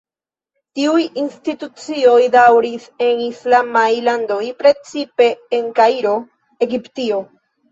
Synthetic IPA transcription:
tiujinstitut͡sio̞jdawɾise̞nislamajlando̞jpɾe̞t͡sipe̞ːŋkaiɾo̞ | e̞ɡiptio̞

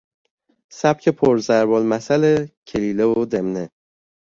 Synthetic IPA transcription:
sæb̥cʰepʰoɾzæɾbɒlmæsælecʰeliːlevod̪emne

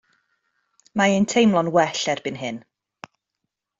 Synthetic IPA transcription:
maentʰejmlˠɔnwɛɬɛrb̥ɨnɦɪn

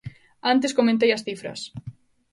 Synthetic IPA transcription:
ant̪eskomẽnt̪̬ejɐsθifɾɐ̰s

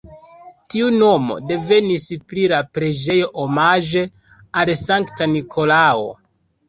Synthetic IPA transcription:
tiuno̞mo̞̰de̞ve̞nisplilapɾe̞d͡ʒe̞jo̞ʔomaʒe̞ | alsaŋktanikʰo̞lao̰

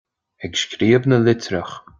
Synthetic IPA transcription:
ɛɡʃkʰɾiːəbnəlɪtʰɾəx

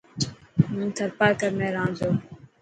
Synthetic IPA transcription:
mũnt̪ʰəɾpaːkəɾmẽːɾãːnzoː

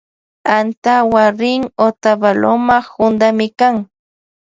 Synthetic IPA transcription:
ant̪awaɾɪŋot̪abalomahʊnd̪amɪkaŋ

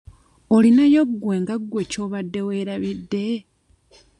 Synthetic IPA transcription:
olinajoɡwe̞ːŋɡaɡwe̞co̞ːβadːe̞weːɾaβidːe̞

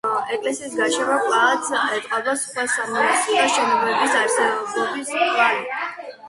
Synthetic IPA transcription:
ɛkʼlɛsiːsɡaʃɛɾɔpʼat̪ʰɛt̪ʼqʼɔbasχwasamɔsaʃɛnɔbɛbisaɾsɛbɔbisχʼali

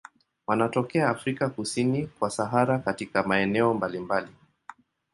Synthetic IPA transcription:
wanatɔkɛaːfɾikakusinikwasaɦaɾakatikamaɛnɛɔmbalimbali

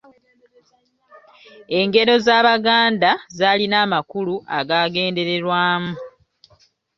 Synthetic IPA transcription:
e̞ŋɡe̞ɾo̞zaːβaɡaːndazaːlinaːmakuluʔaɡaːɡe̞ːnde̞ɾe̞ɾwaːmu

